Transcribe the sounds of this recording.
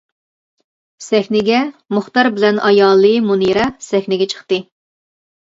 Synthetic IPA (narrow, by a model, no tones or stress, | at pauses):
sɛxʲnɪɡʲɛmʊχt̪ɑɾbɪlɛnʔɑjɑːlˠːɨmuniɾɑsɛxʲnɪɡʲɛt͡ʃʰə̥χt̪ɨ